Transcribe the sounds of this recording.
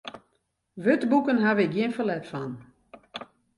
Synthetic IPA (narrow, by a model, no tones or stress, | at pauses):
ʋøtbukənɦaʋɪk̚ɡjiənfəlɛtfan